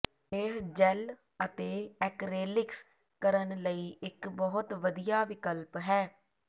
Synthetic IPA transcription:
eːɦd͡ʒɛl | ət̪eːɛkɾeːlɪks | kəɾənləiːʔɪkbɔːɦʊt̪ʋəd̪ijaːʋɪkəlpɦɛː

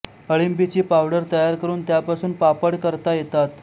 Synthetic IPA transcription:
əɭimbit͡ɕiːpawɽəɾt̪əjaɾkəɾuːnt̪japasuːnpapəɽkəɾt̪ajet̪at̪

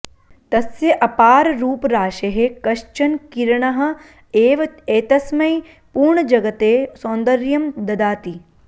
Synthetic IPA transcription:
t̪ɐsjɐʔɐpaːɾɾuːpɾaːʃeɦekɐʃt͡ʃɐnkiɾɳɐɦɐ̆ | eːʋɐeːt̪ɐsmɐj | puːɾɳɐd͡ʒɐɡɐt̪eːsõːnd̪ɐɾjɐmd̪ɐd̪aːt̪i

